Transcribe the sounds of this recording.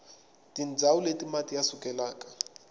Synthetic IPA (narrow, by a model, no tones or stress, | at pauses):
tind͡zʱauletʼimatʼijasukʼɛlaːkʼḁ